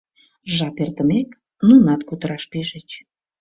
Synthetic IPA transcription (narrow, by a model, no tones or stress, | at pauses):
ʒɑpert̪əmek | nunɑt̪kut̪əɾɑʃpeʒə̆t͡ɕ